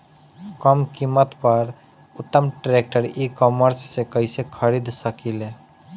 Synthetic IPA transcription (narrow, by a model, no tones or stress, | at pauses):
kəmkimːət̪pəɾ | ut̪ːəmʈɾek̚ʈəɾikɔməɾsːekəɪsekʰəɾid̪ʱsəkile